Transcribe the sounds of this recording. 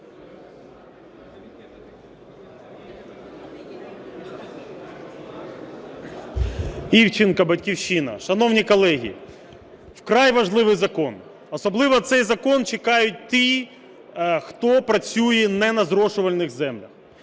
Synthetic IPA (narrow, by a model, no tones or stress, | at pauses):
iwt͡ʃɪnkɐbɐtʲkʲiwʃinɐ̰ʃɐnɔwnʲikɔlˠɛɦʲḭ | wkɾɑjʋɐʒlˠɪʋɪjzɐkɔn | ɔsɔblˠɪʋɔt̪sɛjzɐkɔnt͡ʃekɑjʊt̚ʲt̪i | xt̪ɔpɾɐt͡sʲujɛnɛnɐzɾɔʃʊʋɐlʲnɪɣzɛmlʲɐx